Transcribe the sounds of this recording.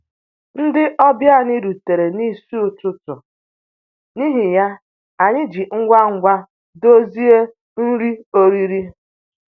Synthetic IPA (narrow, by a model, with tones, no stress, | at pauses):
n̩˦dɪ˦ʔɔ˦bja˦˨nɪ˦ɾu˨te˨ɾe˨ni˦su˦ʊ˨tʊ˦tʊ˨ | ni˦ɦi˨ja˦ | a˨ɲɪ˦d͡ʒi˨ŋ̩˦ɡʷa˦ŋ̩˦ɡʷa˦ | do˦zi˦e˦ | n̩˦ɾi˦o˦ɾi˦ɾi˦